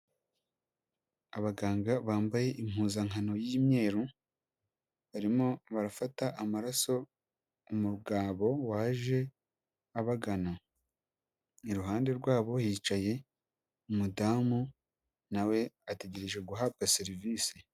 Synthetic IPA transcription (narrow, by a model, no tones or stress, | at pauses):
aβaɡaːŋɡaβaːmbaje̞ʔim̥huːzaŋano̞jiːmɲe̞ːɾu | βaɾimo̞βaɾafataʔamaɾaso̞ | umuɾɡaːβo̞waːʒe̞ | aβaɡana | iɾuɦaːnde̞ɾɡwaːβo̞hiːt͡ʃaje̞ | umudaːmu | nawe̞ate̞ɟe̞ɾe̞ʒe̞ɡuɦab̚ɡaseɾiviːsi